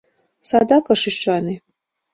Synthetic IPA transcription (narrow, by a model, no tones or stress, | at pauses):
sad̪akʼɐʂiʃʷani